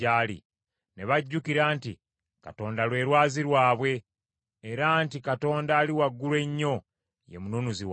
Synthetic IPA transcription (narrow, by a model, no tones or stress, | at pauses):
aːlḭ | ne̞βaɟːukiɾaːntḭ | ka̰to̞ːndalwe̞ːɾwaːziɾwaːβwe̞ː | ɾantikato̞ːndaːliwaɡːulwe̞ɲːo̞ | je̞̰munonuziw